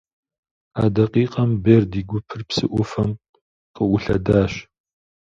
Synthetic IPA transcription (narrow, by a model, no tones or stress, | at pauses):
aːdɐqiːqʼɐmbeːrdiːɡʷʊpʰɨrpsɨʔʷʊfɐm | qəʔʷʊɬɐ̰daːɕ